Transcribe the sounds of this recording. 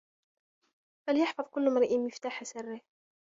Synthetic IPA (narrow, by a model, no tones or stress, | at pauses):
faljɪħfɑðˤkʊlːmɾˤiʔiːmjɪft̪aːħasarːɪ